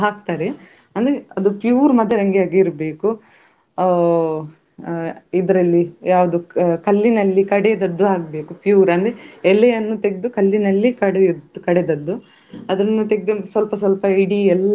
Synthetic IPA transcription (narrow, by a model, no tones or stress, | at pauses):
ɦaːk̚t̪aːɾe | ɐnd̪ɾeɐd̪upjuːɾmɐd̪ːɐɾɐŋɡijaːɡiɾbe̞ːku | id̪ɐɾɐlːijaːʋɐd̪ukɐlːinɐlːikɐɽed̪ɐd̪ːuɦaːɡ̚be̞ːkupjuːɾɐnd̪ɾeɛlːejɐnːut̪eɡed̪ukɐlːinɐlːikɐɽekɐɽed̪ɐd̪ːu | ɐd̪ɾɐnːut̪e̞ɡed̪usʋɐlpɐs̬ʋɐlpɐɐiɽiɛlː